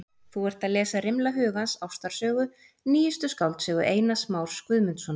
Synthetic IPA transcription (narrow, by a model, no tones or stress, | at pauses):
θuɛɾ̥t̪aðlɛːsaɾɪmlaɦʏːɣansawst̪aɾ̥sœːɣʏ | niːjɪst̪ʏskawlt̪sœːɣʏʔeːjnasmawɾ̥skvʏðmʏnt̪sɔn